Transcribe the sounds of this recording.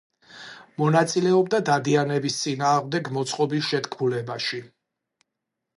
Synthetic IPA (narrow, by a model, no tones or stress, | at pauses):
mɔnat̪sʼilɛɔbd̪ad̪ad̪ianɛbist̪sʼinaːʁmd̪ɛɡmɔt̪sʼqʼɔbisʃɛt̪kʰmulɛbaʃi